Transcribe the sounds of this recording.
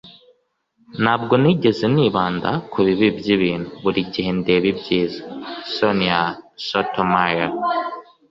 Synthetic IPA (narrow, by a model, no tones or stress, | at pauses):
nhaːb̚ɡo̞niɟe̞ze̞niːβaːnda̰kʰuβiβibjiβiːnuβuɾiɟihe̞nde̞βibɟiːzḁsoniasotomaja